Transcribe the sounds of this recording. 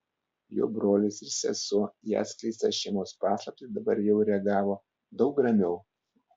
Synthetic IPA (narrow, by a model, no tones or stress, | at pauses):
jo̰ːbɾoːlʲɪsɪɾsʲɛ̰suɔjæ̰ːsklʲɛɪst̪ɛʃʲɛɪmoːspɑːslˠɐp̚t̪ɪd̪ɐbɐɾjɛʊɾʲɛɐɡɑːʋoː | d̪ɒʊk̚ɾɐmʲɛʊ